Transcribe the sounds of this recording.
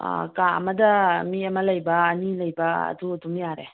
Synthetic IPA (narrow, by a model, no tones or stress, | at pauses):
kaɐ̰mɐdɐmiɐmɐlɐjbɐːnilɐjbɐ̰ːduɐdumjaɾḛ